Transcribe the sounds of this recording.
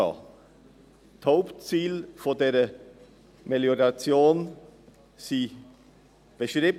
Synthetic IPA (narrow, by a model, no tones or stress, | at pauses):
ɑ̰ | thaʊptt͡siːlfodeːʁə | meljoʁɑt͡sjoːn | siː | b̥əʃʁib